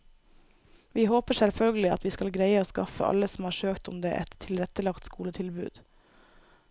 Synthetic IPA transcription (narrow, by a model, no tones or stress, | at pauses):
ʋiːhoːpəsɛlfœlɡəl̩ɪɑ̰t̪ʋiːskɑlɡɾæɪəoːskɑfə̰ʔɑ̰ləsɔm̩hɑːɾʂøːkt̪ʊmd̪ḛːʔɛ̰t̪ʰːɪlɾɛt̪əlɑkt̪skuːlət̪ʰɪlbʉ̰ːd̪̥